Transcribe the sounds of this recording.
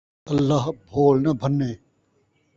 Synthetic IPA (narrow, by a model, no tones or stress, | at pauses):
ɐlːaɦbʱoːlnɐbʱɐnːeː